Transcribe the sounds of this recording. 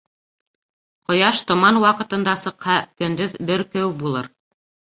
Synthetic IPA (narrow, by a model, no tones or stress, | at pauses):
qŏjɑʃt̪ŏmɑnwɑqɤ̆t̪ɤ̆nd̪ɑsɤ̆qhɑkɵ̆nd̪ɵðbɘɾkɵwbulˠɤɾ